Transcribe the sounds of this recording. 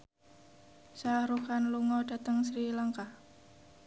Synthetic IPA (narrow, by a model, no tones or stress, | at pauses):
saɾukanluŋɔɖ̥a̤t̪əŋsɾilaŋkah